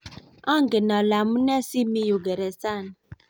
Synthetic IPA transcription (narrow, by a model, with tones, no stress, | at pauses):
ɔ˦ŋ̩˨ɡe˨nɔ˨la˨mu˦ne˦si˦mi˦ju˨ɡe˨ɾe˨sa˦˨n˨